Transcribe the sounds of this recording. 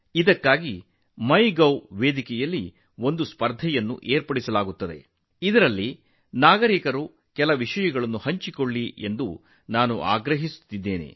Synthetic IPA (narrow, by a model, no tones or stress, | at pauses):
id̪ɐkːaːɡi | mɐjɡɐwʋeːd̪ikɛjɐlːi | o̞nd̪uspɐɾd̪ʱɛjɐnːṵʔeːɾpɐɽisɐlaːɡut̪ːɐd̪e̞̰ | id̪ɐɾɐlːi | naːɡɐɾikɐɾu | kɛlɐʋiʂɐjɐɡɐɭɐnːuhɐɲt͡ʃikoɭːiʔe̞nd̪u | naːnṵʔa̰ːɡɾɐɦisu̥t̪ːid̪ːe̞ːnḛ